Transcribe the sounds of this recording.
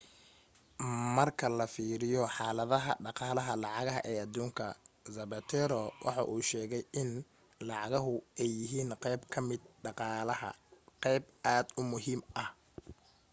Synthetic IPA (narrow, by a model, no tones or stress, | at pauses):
mɐrkʰɐlɐfiːɾɪjɔħɑːlɐðɐɦɐ̰ɖɑqɑːlɐɦɐlɑʕɑɣɐɦɐ̰ʔɛːʔɐd̪uːŋkʰɐzɐbɐt̪ʰɛɾɔwʔɑ̰ħɑ̰ʔuːʃɛːɣɛjʔɪn | lɑʕɑɣɐɦʊɛjːɪɦiːnqɛjbkʰɐmɪd̪̚ɖɑqɑːlɐhɐ̰qɛjb̚ʔaːd̪ʊmʊɦiːmʔɐh